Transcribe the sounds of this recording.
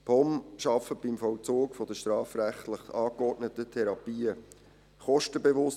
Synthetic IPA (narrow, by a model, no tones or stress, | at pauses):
pʰɔmʃɑfəb̥imfɔwt͡soːkfɔd̥̪əʃtɾɑːfɾæχtləχɑːkɔɾtnət̪ətʰɛɾɑpiːə | χɔʃtəbevʊs